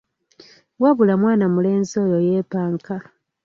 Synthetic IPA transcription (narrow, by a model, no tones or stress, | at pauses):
waβulamwaːnamule̞ːnzo̞jojeːpaːŋka